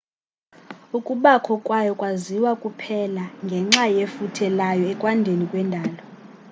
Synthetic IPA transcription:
ukʼuɓakʰɔkʼwajɔkʼwaziwakʼupʰɛlaŋɡʱɛŋ͡ǁajefutʰɛlajɔɛkʼwandʱenikʼwɛndʱaːlɔ

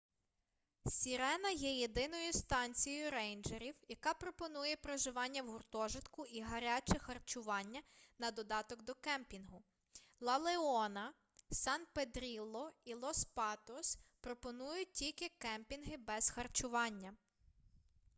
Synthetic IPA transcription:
sʲiɾɛnɐjɛjed̪ɪn̪ɔjʊst̪ɑnʲt͡sʲijɔjʊɾɛjnd͡ʒeɾʲiwjɐkɑpɾɔpɔnujɛpɾɔʒɪʋɑnʲːɐwɦʊrt̪ɔʒɪt̪kʊʔiɦɐɾʲat͡ʃɛxɐrt͡ʃʊʋɑnʲːɐnɐd̪ɔd̪ɑt̪ɔɡd̪ɔkɛmpʲinɦʊ | lˠɐlˠeɔnɐ | sɑnped̪ɾʲilˠːɔilˠɔspɑt̪ɔspɾɔpɔnujʊtʲilʲkɪkɛmpʲinɦɪbɛzxɐrt͡ʃʊʋɑnʲːɐ

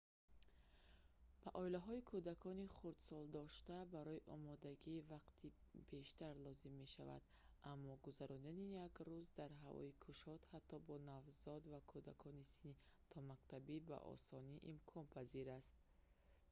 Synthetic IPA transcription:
b̥aʔɔilaɦɔikʰud̪akʰɔniχuɾd̪sɔld̪ɔʃt̪abaɾɔiʔɔ̰mɔd̪aɡiːvaqt̪ʰi | b̥e̞ʃt̪aɾlɔzimːe̞ʃa̰va̰d̪ | amːɔɡuzaɾɔnd̪anijaɡɾuzd̪aɾɦavɔ̰ikʰuʃɔt̪hat̪ʰːɔbɔnavzɔd̪vakʰud̪akʰɔnisini | t̪ʰɔmaqt̪ʰabiba̰ʔɔ̰sɔniʔimkʰɔnpʰaziɾast̪̚

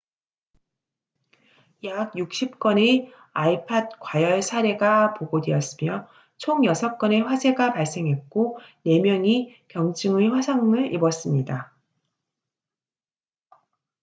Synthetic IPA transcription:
jaɡjuk̚ɕ͈ip̚k͈wʌne | aipʰad̚k͈wajʌɭsʰaɾe̞ɡapoɡodeʌs͈ɯmjʌ | t͡ɕʰoŋjʌsʰʌk͈ʌne̞ɸwasʰe̞ɡapaɭs͈e̞ŋɦe̞t̚k͈one̞mjʌŋikjʌŋt͡ɕ͈ɯŋɯɸwasʰaŋɯɭibʌs͈ɯmɲida

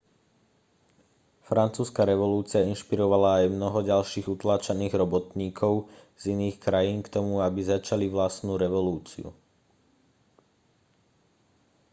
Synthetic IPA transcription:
fɾant͡suːskaɾɛʋɔluːt͡siainʃpiɾɔʋalaːjmnɔɦɔɟalʃiːɣut̪laːt͡ʃaniːɣɾɔbɔt̪ɲiːkʰɔʊ | z̥iniːxkɾajiːnkt̪ɔmuabizat͡ʃaliʋlast̪nuːɾɛʋɔluːt͡sḭṵ

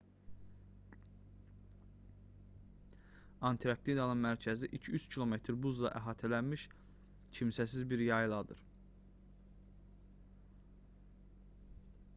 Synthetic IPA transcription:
ɑnt̪ʰiɾɑkt̪id̪ɑnɯnmæɾcʰæziʔicʰiyt͡ʃ̪cʰilˠo̞me̞t̪ʰɾbuzlˠɑ̰ʔæɦɑːt̪ʰælænmiʃ | cʰimsæs̬izbiɾjɑjlˠɑd̪ɯ̰ɾ

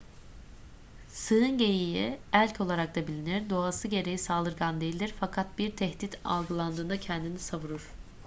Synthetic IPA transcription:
sɯːɯnɟe̞jijiælʲcʰo̞lˠaɾak̚t̪ʰabilʲinæɾd̪oasɯɟe̞ɾe̞jisaːlˠɯɾɡand̪ejilʲd̪ʲiɾfakʰat̪̚biɾt̪ʰɛhd̪it̪ʰa̰lˠɡɯlˠand̪ɯːnd̪acʰɛnd̪inisavuɾuɾ̥

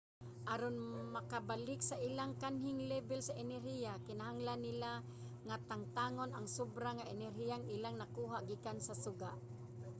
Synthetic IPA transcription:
ʔaɾonmakabalɪksaʔilaŋkanɦɪŋlɛbɛlsaʔɛnɛɾhijakɪnaɦaŋlanːɪla | ŋat̪aŋt̪aŋonaŋsʊbɾaŋaʔɛnɛɾɦijaŋɪlaŋnakuːɦaʔɡikansasʊɡaʔ

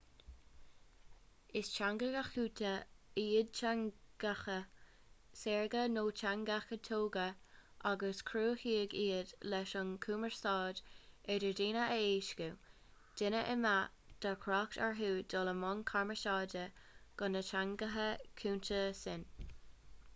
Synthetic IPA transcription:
ɪst͡ʃaŋɡəɡaxuːtʰəiːəd̚t͡ʃaŋɡ̥axə | sɛːɹɡənoːt͡ʃaŋɡaxət̪ʰoːɡəʔaɡəskʰɾuːhiːəɡiːədlɛʃʊnkʰuːməɹstɑːdɛdəɹdiːnəəeːʃku | d̥ɪnəʔəma | d̥akʰɾɑːk̚taɹɦuːd̥ɔləmɔnkʰaɹməʃɑːdəɡ̥ʊnət͡ʃaŋɡəɦəkʰuːntəsɪn

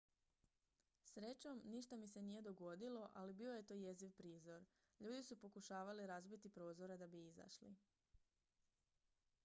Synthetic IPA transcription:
sɾe̞t͡ɕo̞mniʃt̪amise̞nije̞d̪o̞ɡo̞d̪ilo̞ʔalibio̞je̞t̪o̞ːje̞ziʋpɾiːzo̞ɾ | ʎuːd̪isupo̞kuʃaːʋaliɾazbit̪ipɾo̞ːzo̞ɾed̪abiiza̰ʃlḭ

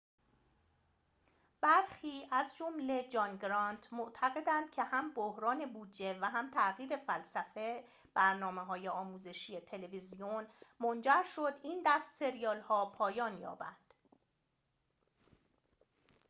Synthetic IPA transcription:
b̥æɾxχiːʔæzd͡ʒomle̞d͡ʒɒnɡɾɒnt̪ʰmoʔt̪ʰæɣe̞d̪ænd̪̥̚cʰe̞hæmbohɾɒːne̞buːdd͡ʒe̞væɦæmt̪ʰæʔɣiːɾe̞fælsæfe̞ | b̥æɾnɒːmeɦɒːje̞ɒːmuːze̞ʃiːje̞t̪ʰe̞le̞vizionmond͡ʒæɾʃo̞d̪ind̪æst̪se̞ɾijɒːlhɒːpʰɒːjɒːnjɒ̰ːbænd̪̥

